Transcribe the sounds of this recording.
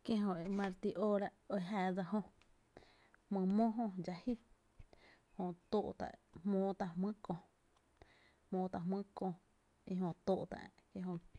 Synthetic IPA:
kjẽ˦ɦõ˧ʔe˨mã˧ɾt̪i˧ʔoː˦ɾa˧ʔo˧e˧˨ɦaː˧˨d͡za˧hõ˧ | hmɨ̃˧mõ˦ɦõ˧d͡ʒa˧hi˦ | hõ˧ʔt̪o˦˧ʔt̪a̰˨hmõː˦t̪a˧hmɨ̃˦kõ˧ | hmõː˧˦t̪a˧˨mɨ̃˦kõ˧ | i˧ɦõ˧t̪oː˦˨ʔt̪a̰˨ʔkjẽ˦ɦõ˧ʔ

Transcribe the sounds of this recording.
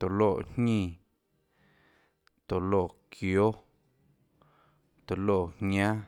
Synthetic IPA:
t̪o˨lo˦˨ʔɲɲĩ˦˧˨ | t̪o˨loː˦˨kʰjo˦ | t̪o˨lo˦˨hɲã˦

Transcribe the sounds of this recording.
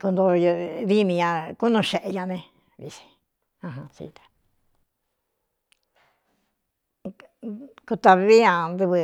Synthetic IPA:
ku˧nd̪o˧ði˦mĩ˧ɲã˧ku˦nũ˧ʃe˧˨ʔe˧ɲã˧nẽ˧ | βḭ˧si̥˧ | ã˧ɦã˧t͡ʃḭ˧t̪ḁ˨ | ku˧t̪a˧ββi˦ã˧nd̪ɨ˧βɨ˧

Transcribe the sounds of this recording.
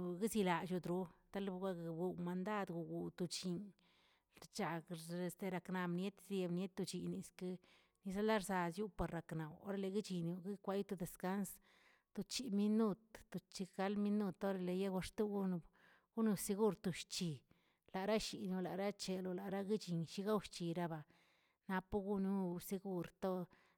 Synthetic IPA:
ɡi˦zi˧la˨t͡ʃu˧d̪ɾu˧t̪a˦lɡa˦˧˨ɡu˧˨ma˨˧nd̪a˦d̪ɡu˨ɡu˨t̪u˧t͡ʃi˧ɲ | t͡ʃa˨ɡe˧˨st̪e˧ɾa˨˧kna˨mnje˦t̪ze˧bnje˦t̪̚ːu˧t͡ʃi˨ni˧˨ske˧ | ni˧sa˦la˦ɾza˧sju˦pa˨ɾːa˨kna˨wo̰˦ɾe˧le˧ɡi˦t͡ʃi˨nu˧ɡi˦kʷa˦ju˦t̪u˧d̪e˨ska˦ns | t̪u˧t͡ʃi˨mi˦nu˦t̪ːu˧t͡ʃi˧ɡa˧˦lmi˦nu˧t̪o˦ɾe˧le˨je˦ɡʷa˧ʂt̪u˦ɡu˦n˧ | ɡu˦nu˧se˧ɡu˦ɾt̪u˧ʃt͡ʃi˨ | la˨ɾa˦ʃi˨no˧la˨ɾa˦t͡ʃe˨lo˧la˨ɾa˦ɡi˦t͡ʃi˨ɲʃi˧˦ɡa˦wʃt͡ʃi˨ɾa˦ba˨ | na˧pu˦ɡu˦nu˦se˧ɡu˦ɾt̪o˦

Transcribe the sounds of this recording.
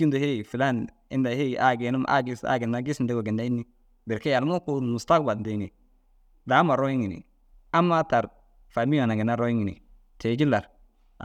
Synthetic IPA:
i˦ndo˨he˦i˨fi˨la˦n | ḭ˦da˨he˦˨ʔa˦ɡe˨nu˦ma̰˦ɡi˦sa̰˦ɡi˨nːa˦ɡi˦snde˦ɡo˨ɡi˨nda˦i˦nːi˦ | be˨ɾke˦ja˨lmo˦ku˦mu˨sta˦kba˨nde˨ni˨ | da˨˦ma˨ɾo˦ji˦ŋi˨nḭ˨ | a˦mːa˦ta˨ɾ | fa˨mi˦a˨na˨ɡi˨na˦ɾo˦ji˦ŋi˨nḭ˨ | tʰe˨ɡi˦lːa˨ɾ

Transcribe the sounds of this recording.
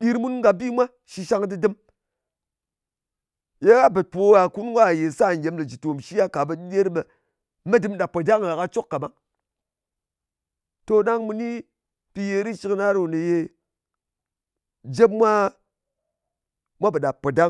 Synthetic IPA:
di˦ɾmu˦nŋɡa˨bi˦mʷa˦ | ʃi˧ʃa˧˦ŋdɨ˦dɨ˦m | je˦ka˦bɨ˨t̚po˨˦ja˨ku˦nɡʷa˦˨je˨sa˦˨ŋ˨ɡʲe˨˦mlə˨d͡ʒi˨to˨mʃi˦ja˦ka˨ɓə˨ɗi˦ɗe˦ɾɓe˨ | me˦dɨ˦mɗa˨pːo˨da˦ŋ˨a˨ka˦t͡ʃo˦kka˨ma˦ŋ | to˧ɗa˦ŋmu˧ni˦ | pi˧je˧ɾi˦t͡ʃi˦kna˦ɾo˨nɨ˨je˧ | d͡ʒe˦pmʷa˦ | mʷa˦bə˨ɗa˨pːo˨da˦

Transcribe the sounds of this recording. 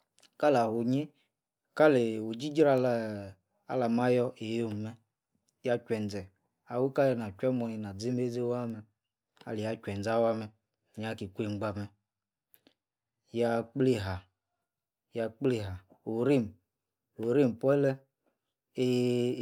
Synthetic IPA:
ka˦la˨ho˨ɲe˦ | ka˦le˨o˨d͡ʒi˦d͡ʒɾa˦l | a̰˦la˨ma˦jɔ˦e˨jo˦˨m˨mɛ˦ | ja˧t͡ʃʷɛ˨n˨d͡zɛ˨ | a˨wu˦ka˦jɔ˧na˨t͡ʃʷɛ˦mɔ˧˨ji˨na˨d͡zi˦me˦d͡ze˦wa˦mɛ˧˨ | a̰˨li˨ja˦t͡ʃʷɛ˨n˨d͡za˦wa˦mɛ˧˨ | ɲ˨a˨ki˨kʷe˦˨ŋ͡m̩˨ɡ͡ba˧mɛ˨ | ja˧k͡ple˦ɦa˨ | ja˧k͡ple˨ɦa˨ | o˨ɾi˦˨m˨ | o˨ɾi˦˨m˨pɔ˦lɛ˦ | e˦

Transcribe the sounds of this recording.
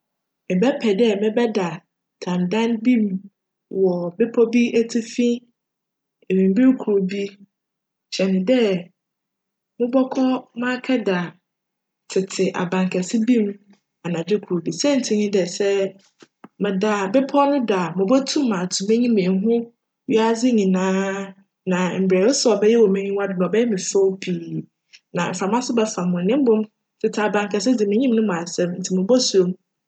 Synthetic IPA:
mɪ̃˨bɛ˦pʰɛ˨dɛ˦mɪ̃˦bɛ˦da˨ | tʰã˨ndã˦nbĩ˦m | wɔ˨bɪ˦pʰɔ˦bi˦ʔæ˦tʰi˦fĩ˦ | e˨wĩ˨m˨bi˦ɾkʰu˨ɾo˨bi˦ | ɕɛ˨nɪ̃˨dɛ˦ | mʊ̃˦bɔ˦kʰɔ˦mã˦kʰɛ˦da˨ | tʰɪ˨tʰɪ˨ʔa̰˨bã˨ŋkʰɛ˨sɪ˦bĩ˦m | a˨nã˨d͡ʑᶣɪ˦kʰu˨ɾo˨bi˨sɛ˦n̩˨tʰĩ˨ɲĩ˦dɛ˨sɛ˦ | mɛ̃˨da˨bɛ˦pʰɔ˦nʊ̃˦da˨mʊ̃˨bɔ˦tʰũ˦mː˦ã˨tʰu˨mɪ̃˦ɲĩ˦mẽ˨˦ɦʊ̃˦ | ɥi˦a˦zɪ˦ɲĩ˨nãː˦ | nã˨m̩˨bɾɛː˨wɔ˦sɛ˦ɔ˨bɛ˦jɛ˦wɔ˨mẽ˦ɲĩ˦wa˦dɪ˨nɔ̃˨bɛ˦jɛ˦mɪ̃˨fɔ˦pʰiː˨ | nã̰˨m̩˨fɾa˨mã˦sʊ˦bɛ˦fa˨mʊ̃˨nɪ̃˦m˦bʊ̃˦m | tʰɪ˨tʰɪ˨a˨bã˨ŋkʰɛ˨s̬ɪ˦d͡zɪ˨mɪ̃˦ɲĩ˦mnʊ̃˦m˨ã˨sɛ̃˦m˦n̩˨tʰi˨mʊ̃˨bɔ˦su˨o˦m

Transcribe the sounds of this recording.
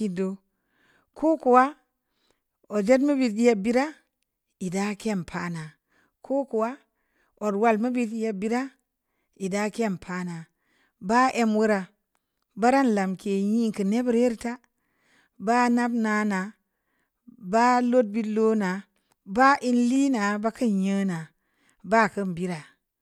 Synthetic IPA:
i˦do˨ | kʰo˦ku˨wa˦ | o˨d͡ʒe˦t̬ma˦bi˨tje˦bi˦ɾa˦ | i˨da˦ke˦˨mpʰa˦na˨ | kʰo˦ku˨wa˦ | o˨ɾwa˦˨lma˦bi˦tje˦bi˦ɾa˦ | i˨da˦ke˦˨mpʰa˦na˨ | ba˦ʔe˦mwu˦ɾa˨ | ba˦ɾa˦n˨la˨mke˨ji˦ŋ˨kə˨ne˦bə˦ɾe˦ɾta˦ | ba˦na˦bna˨˦na˨ | ba˦lo˦t̚bi˦lo˦na˨ | ba˦ʔi˦nli˦na˨ba˦kə˦njə˦na˨ | ba˦˨kə˦m˨bi˦ɾa˨

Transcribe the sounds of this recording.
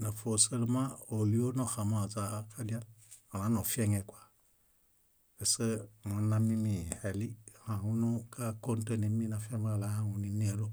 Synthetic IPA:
na˨fo˨se˦lu˧ma˦o˨li˨˦o˦no˨xa˨ma˨zaː˧kʰa˦di˦a˦o˨ɾa˨˦no˨fi˦ɛ˦ŋɛ˧kʷa˨ | e˨se˦ŋo˨˧˦na˧mi˦mi˨hɛ˨li˦˨hã˨hu˦nu˦ka˦ko˦n˦te˦ne˨mi˦na˧fɛ˦m˦a˨la˨˦ha˦hu˨ni˧n˦e˨˦ɾo˦

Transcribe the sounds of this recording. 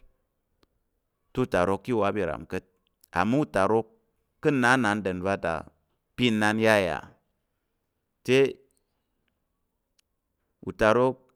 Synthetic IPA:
tu˦˨ta˨ɾo˧kːi˦˨wa˦bi˦˨ɾa̰˨mkə˦t̚ | a̰˨mu˦u˦ta˨ɾo˧˦kː | ɨ˦na˨˦na˨n˦də˨nba˦ta̰˨ | pi˦nːa˧n˦ja˦˨ja̰˨ | te˦ | ṵ˨ta˨ɾo˦k̚

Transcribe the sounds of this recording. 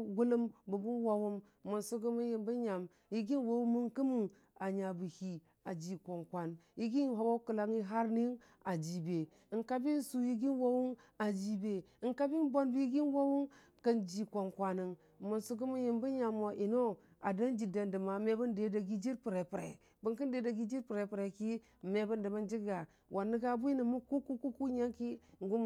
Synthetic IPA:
ɡu˦lu˦mbu˨bu˦nwa˨wu˦m | mo˨nsu˦ɡu˦mu˦ji˨mbu˦ɲa˨m | ji˦ɡi˦nwo˦wu˦mu˦nku˦mu˦˨ŋ | a˨ɲa˨bu˨hi˨ | a˨d͡ʒi˨kʷo˨nkʷa˨n˨ | ji˦ɡi˦n˨ha˦wa˦ku˨la˨ŋi˦ɦa˦ɾni˦ | a˨d͡ʒi˨be˨ | ŋka˦bi˦n˦su˨ji˦ɡi˦nwo˦wu˦na˨d͡ʒi˨be˨ŋka˦bi˦nbo˦nbu˦ji˦ɡi˦nwa˦wu˦m | ka˦nd͡ʒi˨kʷa˨nkʷa˨ni˨ŋ˨ | mu˨nsu˦ɡu˦mu˦ji˨mbu˦ɲa˨mo˨ʔi˨no˦ | a˨da˦nd͡ʒi˨da˨ndə˨ma˨˦me˦bu˦nde˨˦da˨ɡi˦d͡ʒi˦ɾpi˨ɾe˨pɾḛ˨ | bu˨ŋki˦n˦de˨da˨ɡi˦d͡ʒi˦ɾpi˨ɾe˨pi˨ɾe˨ki˦˨ | me˨bu˦ndi˨ma˦nd͡ʒi˦ɡa˨ | wʔa˨nːi˦ɡa˦bu˦i˦ni˨mu˦ku˦ku˦ku˦ku˦ɲa˦ŋki˦˨ŋ˨ɡu˦m˨

